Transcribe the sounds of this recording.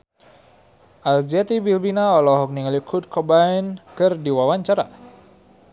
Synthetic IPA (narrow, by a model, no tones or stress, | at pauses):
ʔald͡ʒat̪ibilbinaɔlɔɦɔk̚niŋlikʰut̪̚kʰɔbainkɨrdiwawaɲt͡ʃaɾa̰